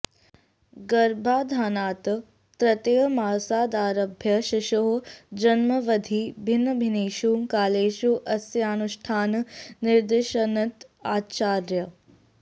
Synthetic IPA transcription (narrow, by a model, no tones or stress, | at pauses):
ɡɐɾbʱaːd̪ʱaːnaːt̪ | t̪ɾɐt̪ejmaːsaːd̪aːɾɐbʱjɐʃiʃoɦd͡ʒɐnmɐʋɐd̪ʱiːbʱinːɐbʱineːʃuːkaːleːʃuʔɐsjaːnuʃʈʰaːnniɾd̪iʃɐnɐt̪aːt͡ʃaːɾjɐ